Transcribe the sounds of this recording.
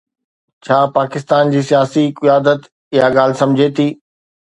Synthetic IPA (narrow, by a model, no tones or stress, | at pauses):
t͡ɕʰaːpaːkɪst̪aːnd͡ʑiːsijaːsikɪjaːd̪ət̪ | ɪjaɠaːlɪsɐ̃md͡ʑʱet̪ʰiː